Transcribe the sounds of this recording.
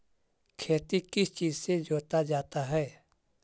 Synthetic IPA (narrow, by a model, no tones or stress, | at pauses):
kʰeːt̪ikɪst͡ʃiːzsed͡ʒoːt̪ad͡ʒaːt̪aɦɛː